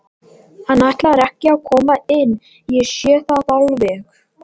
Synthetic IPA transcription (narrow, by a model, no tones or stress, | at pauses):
hanːajht̪laaɾɛhcːɪaðkʰɔːmaɪnː | jɛsjɛːθaðawlvɛx